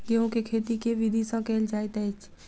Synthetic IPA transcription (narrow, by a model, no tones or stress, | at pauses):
ɡeõkekʰeːt̪ikeʋɪd̪ʱisãkɛːld͡ʒaːit̪ɛt͡ʃ